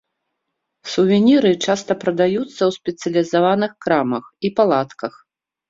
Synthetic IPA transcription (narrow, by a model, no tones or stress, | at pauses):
suvʲinʲiɾɨt͡ʂast̪ɐpɾɐd̪ajut̪sːɐwsʲpʲɛt̪sʲɐlʲizavanɨxkɾamɐxipalˠat̪kɐx